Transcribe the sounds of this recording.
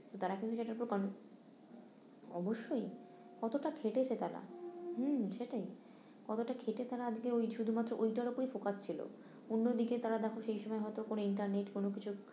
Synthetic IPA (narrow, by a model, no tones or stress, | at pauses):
t̪ot̪aɾakint̪uʃeʈaɾpoɾkano | ɔ̰boʃːoj | kɔt̪oʈakʰeʈet͡ɕʰet̪aɾa̰humʃeʈaj | kɔt̪oʈakʰeʈet̪aɾaad͡ʑkeojʃud̪ʱumat̪ːɾoʔojʈaɾopoɾifokast͡ɕʰilo̰ | onːod̪iket̪aɾad̪ɛkʰoʃejʃɔmɔeɦɔet̪okonoiɳʈaɾneʈkonok̬it͡ɕʰu